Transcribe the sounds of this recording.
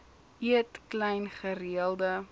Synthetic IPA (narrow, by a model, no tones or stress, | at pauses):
iətklɛjnχəriəlˠdə